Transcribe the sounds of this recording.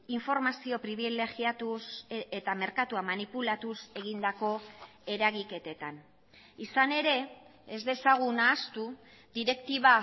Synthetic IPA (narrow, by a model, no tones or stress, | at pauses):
iɱfo̞ɾmasio̞pɾiβ̞ile̞ɣiat̪uset̪ame̞ɾkat̪uamanipulat̪use̞ɣind̪ako̞ | e̞ɾaɣike̞t̪e̞t̪an | isane̞ɾe̞ezd̪e̞saɣ̞unaːst̪u | d̪iɾe̞kt̪iβa